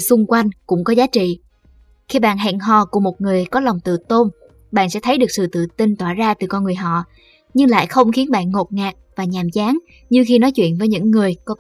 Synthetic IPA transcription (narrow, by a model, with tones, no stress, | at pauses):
sʊ˧ŋ͡mkwa˧jŋ̟kʊ̰˧˥ŋ͡mkɔ˨˦zaː˨˦t͡ɕḭ˧˨ | xi˧ɓa̰ː˧˨nɦɛ̰˧˨ŋɦɔ˨˩ku˧˩əmo˨˩t̚ŋɨ˨˩əjkɔ˨˦lwŋ͡mt̪ɨ̰˧˨t̪o˧n | ɓa̰ː˧˨nsɛ̰˧˥t̪ʰə˦jɗɨ˨˩ək̚sɨ̰˧˨t̪ɨ̰˧˨t̪i˧nt̪waː˧˩zaː˧t̪ɨ˨˩kɔ˧nŋɨ˨˩əjɦɔ̰˧˨ | ɲɨ˧ŋla̰ː˧˨jxə˧wŋ͡mxi˨˦ənɓa̰ː˧˨nŋo˨˩t̚ŋaː˨˩k̚vaː˨˩ɲaː˨˩mt͡ɕaː˨˦ŋ | ɲɨ˧xi˧nɔ˨˦jt͡ɕwḭ˧˨ənvəː˨˦jɲɨ̰˧˥ŋːɨ˨˩əjkɔ˨˦